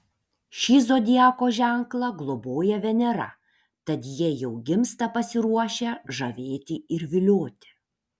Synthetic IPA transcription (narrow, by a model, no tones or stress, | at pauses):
ʃʲiːzoːd̪ʲiæːkoːʒʲæˑŋklˠɐɡlˠoboːjɛʋʲɛnʲɛɾɐ̰ | t̪ɐt̪jiɛjɛʊɡʲɪmst̪ɐpɐsʲɪɾuɔʃʲeʒɐʋʲeːt̪ʲɪɪɾʋʲɪlʲoːt̪ʲɪ̥